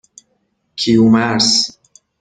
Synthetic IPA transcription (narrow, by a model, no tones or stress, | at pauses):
kʰiumaɾs